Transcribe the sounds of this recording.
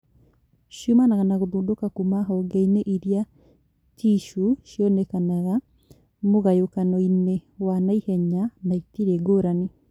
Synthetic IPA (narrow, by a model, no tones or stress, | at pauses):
ʃjomanaɣanaɣodudokakumaɦɔɡɛineʔiɾia | tiʃuʃjɔnɛkanaɣa | moɣajokanɔinewanaihɛɲanaitiɾeɡoɾane